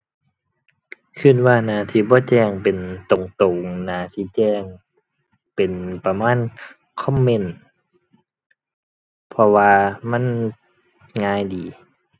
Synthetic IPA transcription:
kʰɯ˧˥˩nwaː˧˩naː˧˩t̪ʰiː˧˨bɔː˧˦˨t͡ɕɛː˧˩ŋpe˨nt̪o˨˦ŋt̪o˨˩ŋnaː˧˩t̪ʰiː˧˨t͡ɕɛː˧˩ŋ | pe˨npa˧maː˧˥˨n | kʰɔ˧˥˨mːe˧˨n | pʰɔ˧waː˧ma˧˥˨n | ŋaː˧˥˨jdiː˨˦

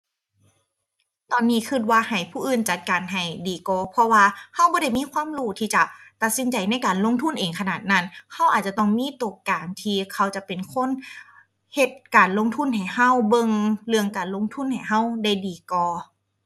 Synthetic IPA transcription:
t̪ɔː˨nːiː˧˥˨kʰɯ˧t̪̚waː˧ha˨˩jpʰuː˧˩ʔɯː˧˩nt͡ɕa˧˩t̪̚kaː˨˩nɦa˨˩jdiː˨˩kɔː˧pʰɔ˧waː˧ha˧˥˨wbɔː˧˦ɾa˥˩jmiː˧˥˨kʰwaː˧˥˨mɾuː˧˩t̪ʰiː˧˩t͡ɕa˧˩t̪a˧t̪̚si˧˦nt͡ɕa˨˩jna˧˥˨jkaː˨nlo˧˥˨ŋt̪ʰu˧˥˨nʔeː˨˩ŋkʰa˧naː˨˩t̪̚na˧˥˨nhʰa˧˥˨wʔaː˨˩t͡ɕa˧t̪ɔ˧˩ŋmiː˧˥˨t̪u˧˩kaː˨˩ŋt̪ʰiː˧kʰa˧˩wt͡ɕa˧pe˨˩nkʰo˧˥˨n | he˧t̪̚kaː˨˩nlo˧˥˨ŋt̪ʰu˧˥˨nɦa˨˩jha˧˥˩wbɤ˧ŋlɯ˧əŋkaː˨˩nlo˧˥˨ŋt̪ʰu˧˥˨nha˨˩jɦa˧˥˨wda˧˥˩jdiː˨kɔː˧˩

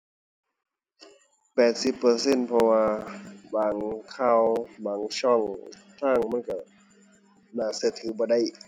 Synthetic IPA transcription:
pɛː˨˩t̪̚si˧˦pːɤ˧˦se˧˥˨npʰɔ˧waː˧baː˨˦ŋkʰaː˧˩˨wbaː˨˦ŋsʰɔ˧˩˨ŋ | t̪ʰaː˧˥˩ŋma˧˥˨nka˧˩ | naː˧˩sɯ˧˩˨t̪ʰːɯː˨˦bɔː˧˦da˧˥˨j

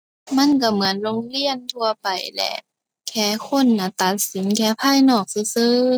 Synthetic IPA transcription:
ma˧˥˨nk̬a˧˩mɯ˨˦ənloː˧˥ŋli˧˥˨ənt̪ʰu˧ɐpa˨˩jlɛ̰˧˩ʔ | kʰɛː˧˩kʰo˧˥˨nːa˧˩t̪a˨˩t̪̚si˨˦nkʰɛː˧˥pʰaː˧˥˨jnɔː˧˩k̚sɯ˧˦sɤː˧

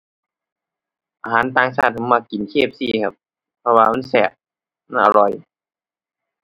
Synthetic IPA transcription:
ʔaː˧ɦaː˨˦nt̪aː˧˨ŋsʰaː˥˩t̪̚kʰa˧˩maː˧˩ki˨˦nkʰeː˥˩p̚siː˧˩˨kʰa˧p̚ | pʰɔ˧waː˧ma˧˥˨nsɛ˧˩ʔ̚ | ma˧˥˨nʔa̰˨˧˩lɔ˧j

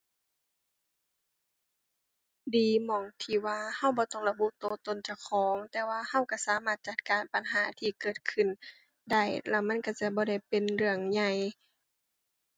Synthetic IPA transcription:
diː˨mɔː˨˩ŋt̪ʰiː˧˩waː˧ha˧˥˨wbɔː˧˦t̪ɔ˧˥˩ŋla˧bu˧˨t̪oː˧˦t̪o˧˨nt͡ɕa˧˩wkʰɔː˨˦ŋt̪ɛː˧waː˧ha˧˥˨wka˧˩saː˨˦maː˧˩t̪̚t͡ɕa˧˦t̪̚kaː˨˩npa˨nɦaː˨˦t̪ʰiː˧kɤː˨˩t̪̚kʰɯ˧˩˨n | da˥˩jlɛ˧˩wma˧˥˨nka˧˩t͡ɕa˧˩bɔː˧˦ɾa˧˩jpe˨nlɯ˧˩əŋɲa˧˩j

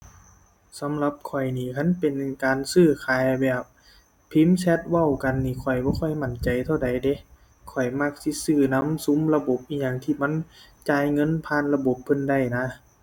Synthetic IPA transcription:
sa˨˧˦mla˧p̚kʰɔ˨˩jniː˧˩kʰa˧˥˨npe˨nkaː˨nsɯː˧˩kʰaː˨jbɛː˨˩p̚ | pʰːi˧˥˨msɛ˧t̪̚wa˧˩˨wka˨nːiː˧˩kʰɔ˨˩jbɔː˧˦kʰɔ˧˩jma˧˩nt͡ɕa˨jt̪ʰa˧˨wda˨jde˧˦ | kʰɔ˨˩jma˧˩k̚si˧˥˦sɯː˧˩na˧˥˨msu˧˦mla˧bo˧˦p̚ʔiː˧˥˩ɲaː˧˩ŋt̪ʰiː˧˩ma˧˥˨nt͡ɕaː˨˩jŋɤ˧˥˨npʰaː˧˨nla˧bo˧˦p̚ʰːɤ˧˥˨nda˧˩jna˧˥

